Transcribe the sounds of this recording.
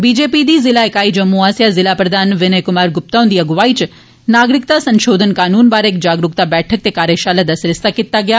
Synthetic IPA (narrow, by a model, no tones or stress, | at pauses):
bid͡ʒepid̪izɪlaekaid͡ʒəmːuasjazɪlapɾəd̪ʱanʋɪnəjkʊmaɾɡʊp̚t̪aund̪iəɡʋait͡ʃ | naɡɾɪkt̪asə̃nʃod̪ʱənkaːnunbaɾekd͡ʒaɡɾʊk̚t̪abɛʈʰək̚t̪ekaɾjeʃaləd̪əsɾɪst̪əkɪt̪ːaɡja